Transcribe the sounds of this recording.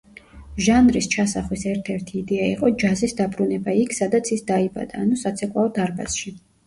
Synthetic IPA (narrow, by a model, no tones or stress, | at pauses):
ʒanɾist͡ʃʰasaχwisɛɾt̪ʰɛɾt̪ʰiːd̪ɛaiqʼɔd͡ʒazisd̪abɾunɛbaikʰsad̪at̪sʰisd̪aiba̰d̪aːnusat̪sʰɛkʼwaɔd̪aɾba̰sʃi